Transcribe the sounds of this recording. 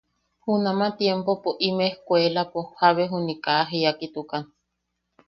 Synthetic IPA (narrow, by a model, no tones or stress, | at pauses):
hunamat̪jempopoʔimehkʷelapohaβeɦunikaɦeakit̪ukan